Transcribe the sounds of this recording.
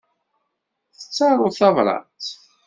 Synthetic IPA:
θə̥t͡sːɑɾˤʊθɑvɾˤɑ̰t͡s

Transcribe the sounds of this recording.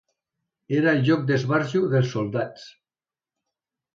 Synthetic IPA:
eɾaeʎok̚d̪ezβaɾʒuðelsːold̪at͡s

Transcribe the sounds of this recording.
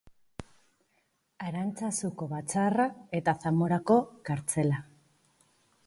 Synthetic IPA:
aɾant͡sasuko̞βat͡sarae̞t̪aθamo̞ɾako̞kaɾt͡se̞la

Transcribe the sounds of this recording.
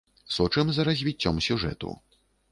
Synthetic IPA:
sɔt͡ʂɨmzɐɾɐzʲvʲit͡sʲːɔmsʲuʐɛ̰t̪ṵ

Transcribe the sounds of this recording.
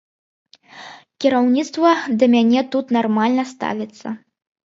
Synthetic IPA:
kʲiɾawnʲit̪st̪vɐd̪ɐmʲanʲɛt̪ut̪narmalʲnɐst̪a̰vʲit̪sːɐ̰

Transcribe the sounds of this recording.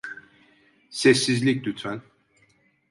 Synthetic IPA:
sɛsːizlʲic̚d̪yt̪ʰæn

